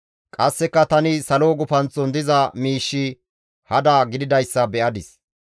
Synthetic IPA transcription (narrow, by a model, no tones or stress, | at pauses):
kʼɐsːɛkːɐt̪ɐnɪsɐloːɡʊfɐnt͡sɔnd̪ɪzɐmiːʃːɪ | hɐd̪ɐːɡɪd̪ɪd̪ɐjsːɐbɛʔɐd̪ɪs